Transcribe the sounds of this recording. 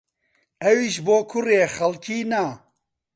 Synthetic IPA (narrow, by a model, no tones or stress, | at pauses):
ɛwiʃboːkʰʊreːxɐlkiːna